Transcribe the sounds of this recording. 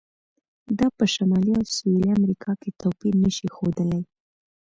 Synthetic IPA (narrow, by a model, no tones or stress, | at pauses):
d̪ɑpəʃamɑliawsueliamɾikʰɑket̪opiɾnəʃixod̪əlaj